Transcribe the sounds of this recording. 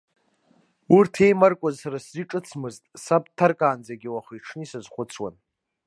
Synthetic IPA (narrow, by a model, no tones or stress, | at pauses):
urtʰe̞jmarkʷʼazsaɾasziʈ͡ʂʼɨt͡sʰmɨztʼsapʼtʰarkʼaːnd͡zaɡʲɪwaχiiʈ͡ʂʰnɨisazχʷʊt͡sʰwan